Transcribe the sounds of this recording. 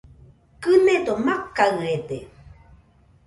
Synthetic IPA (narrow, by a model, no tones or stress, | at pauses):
kɨned̪omakːaɯed̪e